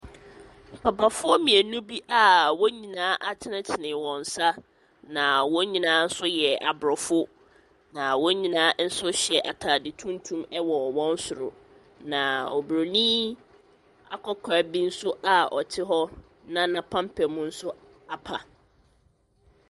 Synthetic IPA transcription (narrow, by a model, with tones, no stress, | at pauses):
pʰa˨pa˨fʊ˦ɔ˦mĩ˨æ˨nũ˦bi˦ʔa˨wɔ˦ɲĩ˨nãː˨˦ʔa˨t͡ɕʰɪ˦nã˦t͡ɕʰɪ˨nɪ̃˨wɔ̃˨n̩˨sa˦ | nã˨wɔ̃˦ɲĩ˨nãː˨˦n̩˦sʊ˦jɛ˨a˨bɾɔ˨fʊ˦ | nã˨wɔ˦ɲĩ˨nãː˨˦n̩˦sʊ˦ɕɛ˨ʔa˨tʰaː˨dɪ˨tʰũ˦n˦tʰũ˦mɛ˦wɔ˨wɔ̃˦n̩˦sʊ˨ɾʊ̰˨ | nã˨ɔ̰˨bɾo˨nĩ˦ | a̰˦kʰɔ˦kʰa˨˦bi˦n̩˦sʊ˦ʔa˨ɔ˨tʰɪ˦ɦɔ˦ | nã˦nã˨pʰã˦m̩˦pʰɛ˨mũ˦n̩˦sʊ˦ | a˨pʰa˨